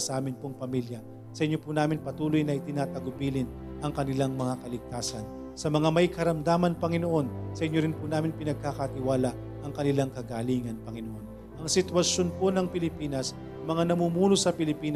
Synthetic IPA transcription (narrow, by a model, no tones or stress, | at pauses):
sɐʔaːmɪnpoŋpɐmiljɐ | sɐʔɪɲːo̞punaːmɪnpɐt̪uːlojnɐʔɪt̪ɪnaːt̪ɐɡʊbiːlɪn | ʔɐŋkɐnɪlaŋmɐŋakɐlɪɡ̚t̪aːsɐn | sɐmɐŋamɐjkɐɾɐmd̪aːmɐnpɐŋɪnoʔo̞nsɐʔɪɲːoɾɪnpunaːmɪnpɪnɐɡ̚kakɐt̪ɪwaːlaʔ | ʔɐŋkɐnɪlaŋkɐɡaːliːŋɐnpɐŋɪnoʔo̞n | ʔɐŋsɪt̪wɐʃjo̞nponɐŋpɪlɪpiːnɐs | mɐŋanɐmuːmuːnosɐpɪlɪpiːn